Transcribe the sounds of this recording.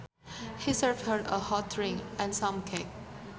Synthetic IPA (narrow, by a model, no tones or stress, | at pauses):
hisəɹvhədəhɔtʰɹɪ̃ŋɛ̃nsãmkʰek̚